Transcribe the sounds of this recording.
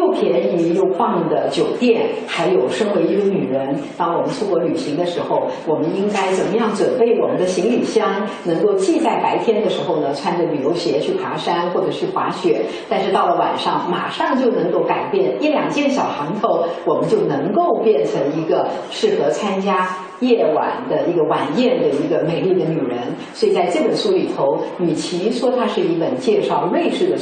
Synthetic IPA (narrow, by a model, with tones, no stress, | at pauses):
jo˥˩ʊpʰjɛ˧˥ni˧˩jo˥˧ʊkʰwɑ˥˩ŋd̪ə˩t͡ɕjo˨˩ʊt̪jɛ˥˩nxa˧˥ɪjo˨˩ʊʂɤ˥ŋwe˧˥ɪi˧˥ɡə˧ny˨˩ɻə˧˥nt̪ɑ˥ŋwɔ˨˩mə˦nt͡sʰu˥kwɔ˧˥ly˨˩ɕi˧˥ŋd̪ə˧ʂɻ̩˧˥xo˥˧ʊwɔ˨˩mə˦ni˥ŋka˥ɪt͡sə˨˩nmə˦jɑ˥˩ŋt͡swə˨˩npe˥˩ɪwɔ˨˩mə˦nd̪ə˧ɕi˧˥ŋli˨˩ɕjɑ˥ŋnɤ˧˥ŋko˥˧ʊt͡ɕi˥˧t͡sa˥˩ɪpa˧˥ɪt̪ʰjɛ˥nd̪ə˨ʂɻ̩˧˥xo˧ʊnə˩t͡sʰwa˥nd͡zə˨˩ly˨˩jo˧˥ʊɕjɛ˧˥t͡ɕʰy˥˩pʰwa̰˧˥ʂa˥nxwɔ˥˩ʈ͡ʂɤ˨˩t͡ɕʰy˥˩xwa̰˧˥ɕɥɛ˧˥t̪a˥˧nʂɻ̩˥˧t̪ɑ˥˩ʊlə˩wa̰˨˩nʂɑ˥˩ŋma̰˨˩ʂɑ˥˧ŋt͡ɕjo˥˩ʊnɤ˧˥ŋko˥˩ʊka˨˩ɪpjɛ˥˩ni˥˩ljɑ˨˩ŋt͡ɕjɛ˥˧˩nɕjɑ˨˩ʊxɑ˧˥ŋt̪ʰo˧˥ʊwɔ˨˩mə˦nt͡ɕjo˥˩ʊnɤ˧˥ŋko˥˧ʊpjɛ˥˩nʈ͡ʂʰɤ˧˥ŋi˧˥ɡə˧ | ʂɻ̩˥˩xɤ˧˥t͡sʰa˥nt͡ɕja˥ | jɛ˥˩wa̰˨˩nd̪ə˦i˧˥ɡə˧wa˨˩njɛ˥˩nd̪ə˩i˧˥ɡə˧me˨˩ɪli˥˩d̪ə˩ny˨˩ɻə˧˥nswɔ˧˥i˨˩t͡sa˥˧ɪʈ͡ʂɤ˥˩pə˨˩nʂu˥li˨˩t̪ʰo˧˥ʊny˨˩t͡ɕʰi˧˥ʂwɔ˥t̪ʰa˥ʂɻ̩˥˩i˥pə˨˩nt͡ɕjɛ˥˧ʂɑ˥˧ʊle˥˧ɪʈ͡ʂɻ̩˥˩d̪ə˩